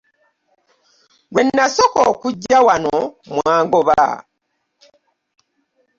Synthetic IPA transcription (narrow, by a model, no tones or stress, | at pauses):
ɡwenːasokoːkuɟːawanomwaːŋɡoβa̰